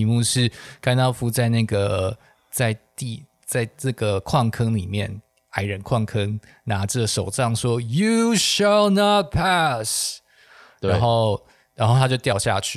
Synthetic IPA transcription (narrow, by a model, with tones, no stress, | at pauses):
i˨mu˥˧ʂɻ̩˥˧ka˥nt̪ɑ˥ʊfu˥t͡sa˥˧ɪna˥˩ɡə˩ | t͡sa˥˧ɪt̪i˥˧˩ | t͡sa˥˧ɪʈ͡ʂɤ˥˩ɡə˩kʰwɑ˥˩ŋkʰɤ˥ŋli˨˩mjɛ̰˥˩n | a˧˥ɪɻə˧˦nkʰwɑ˥˩ŋkʰɤ˦˥ŋ | na˧˥ʈ͡ʂə˥˩ʂo˨˩ʊʈ͡ʂɑ˥˩ŋʂwɔ˦˥ju˨ʃa˨lnɑ˥˧t̪̚pʰæ˥˧s | ɻa˧˦n˨xo˥˩ʊ | ɻa˧˥nxo˥˩ʊt̪ʰa˥t͡ɕjo˥˧ʊt̪jɑ˥˧ʊɕja̰˥˧t͡ɕʰy˥˩